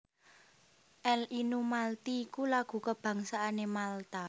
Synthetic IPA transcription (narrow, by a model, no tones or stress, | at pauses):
ʔɛlʔinumalt̪iːkulaɡ̥ṳkəb̥ä̤ŋsaʔanemalt̪a